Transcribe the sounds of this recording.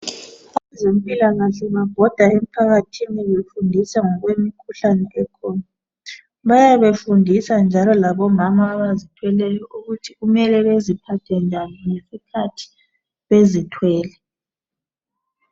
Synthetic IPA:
aazem̩pʼilaɣaɬɛβaɡ̥ʱɔd̥ʱwaem̩pʰaɣatʰiniɛβefundʱisaŋɔɣwemikʰuɬanɛʔɛkʰɔːna | βajaβefundʱisand͡ʒʱalɔlaβɔmamaːβazitʰwɛlɛjɔʔuɣutʰiɣumɛlɛβezipʰatʰɛnd͡ʒʱaniŋesikʰatʰi̥ | βezitʰwɛːlɛ

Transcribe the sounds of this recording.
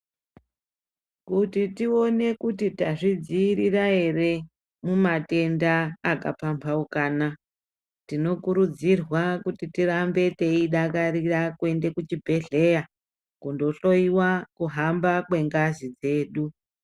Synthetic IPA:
kutitio̞ne̞kutitaʐid͡ziːɾiraɦe̞re̞ | mumate̞ndaːka̰pampʰaukaːna | tino̞kuɾud͡zirwakutitirambe̞te̞iɗakaɾirakue̞nde̞kut͡ʃibʱe̞ɮe̞ja | kundo̞ɬo̞iwakuɦambakwe̞ŋɡazid͡ze̞ːɗu

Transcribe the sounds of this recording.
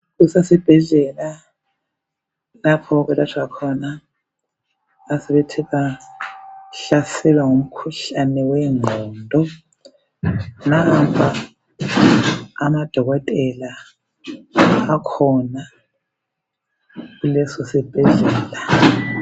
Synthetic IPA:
usasib̥ʱɛɮɛla | lapʰɔk̬ɛlatʰuakʰɔna | sɛβetʰiβa | ɬasɛlwaŋum̩kʰuɬanɛwɛŋʱɔːndʱɔ | nampʰa | mad̥ʱɔɣɔtʼɛla | akʰɔna | ɣulɛsosib̥ʱɛɮɛːla

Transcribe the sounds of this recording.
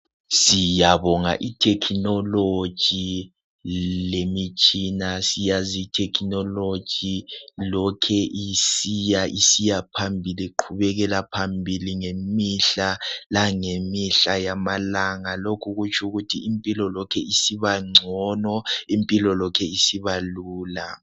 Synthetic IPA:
sijaβɔŋa̰ʔitʰɛkʰinɔlo̥ʒ̥ʱi | lemit͡ʃʼinasijaziːtʰɛkʰinɔlo̥ʒ̥ʱilɔkʰɛʔisijaʔisijapʰambʱiliǃʰuβɛɣɛlapʰambʱiliŋemiɬalaŋemiɬajamalaŋalokʰuɣut͡ʃʼʰuɣutʰiːmpʼilɔlɔkʰɛisiβaŋ͡ǀʱɔnɔimpʼilɔlɔkʰɛisiβaluːla

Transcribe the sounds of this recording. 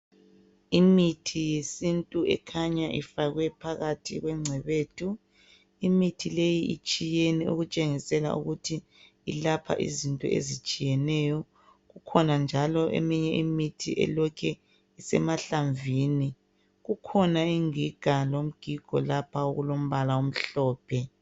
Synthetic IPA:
imitʰijesintʼuɛ̰kʰaɲaʔḭfaɣwɛpʰaɣatʰiɣwɛŋ͡ǀʱɛβeːtʰu | imitʰilejiʔḭt͡ʃʼijeniṵɣut͡ʃʼeŋisɛla̰ʔṵɣutʰi | ḭlapʰa̰ʔḭzintʼɔ̰ʔḛzit͡ʃʼijɛnɛːjɔ | ɣukʰɔnand͡ʒʱalɔʔḛmiɲɛʔimitʰiʔɛ̰lɔkʰɛ | isɛmaɬaɱvini | ɣukʰɔnaiŋiɡ̥ʱalom̩ɡ̥ʱiɡ̥ʱɔ̰lapʰaoɣulom̩βalaom̩ɬɔːpʰɛ

